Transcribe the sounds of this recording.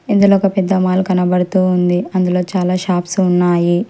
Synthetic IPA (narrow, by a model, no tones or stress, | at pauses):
ind̪uloːɔkɐpɛd̪ːɐmaːlukɐnɐbɐɽut̪uːnd̪iɐnd̪ulo̞ːt͡ʃaːlaːʃaːpsunːaːji